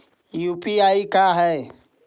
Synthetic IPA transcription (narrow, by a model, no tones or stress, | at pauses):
upiaikaɦɛ